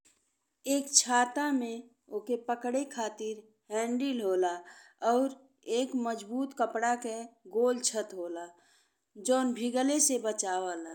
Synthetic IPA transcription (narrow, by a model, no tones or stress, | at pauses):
eːkt͡ʃʰaːt̪amẽ | oːkepəkɽekʰaːt̪ɪɾ | ɦɛ̃ːɳɖilɦoːla | ɔːɾ | eːkməd͡ʒbuːt̪kəpɽakeɡoːlt͡ʃʰət̪ɦoːla | d͡ʒoːnbʱiɡəlesebət͡ʃaːʋala